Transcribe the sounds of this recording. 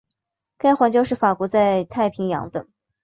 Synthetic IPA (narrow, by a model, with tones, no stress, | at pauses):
ka˥ɪxwa˧˥nt͡ɕjo˥ʊʂɻ̩˥˩fa˨˩kwɔ˧˥t͡sa˥˧ɪt̪ʰa˥˩ɪpʰi˧˥ŋjɑ̰˧˥ŋd̪ə̰˧